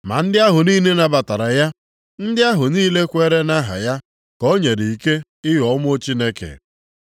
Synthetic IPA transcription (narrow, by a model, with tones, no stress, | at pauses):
ma̰˨n̩˦dɪ˦a˦ɦʊ˨niː˦ne˦na˨ba˨ta˨ɾa˨ja˦ | n̩˦dɪ˦a˦ɦʊ˨niː˦le˦kʷe˦ɾe˦na˦ɦa̰˨ja˦ | ko˦ɲe˨ɾi˨i˨ke˦ | ɪ˦ɦɔ˦m˦o˦t͡ʃi˦ne˦kḛ˨